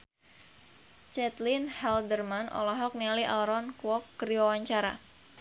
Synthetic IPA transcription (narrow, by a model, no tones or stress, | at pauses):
t͡ʃɛt̪linhɛldərmanɔ̰lɔɦɔk̚niliʔaɾɔnkuwɔkːəɾiwawaɲt͡ʃaɾa̰